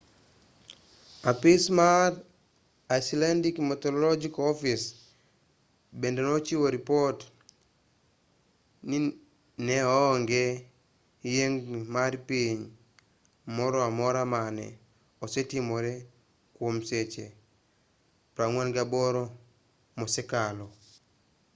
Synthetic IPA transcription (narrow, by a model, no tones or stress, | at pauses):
apismaɾ | ajslandikmetɔlɔlod͡ʒikɔfis | bendenot͡ʃiwoɾipɔt | ni | nɛɔŋɡe | jeŋmaɾpiɲ | mɔɾɔamɔɾamanɛ̰ | ɔsetimoɾe | kwomset͡ʃe | pɾaŋwanɡabɔɾo | mɔsɛkalo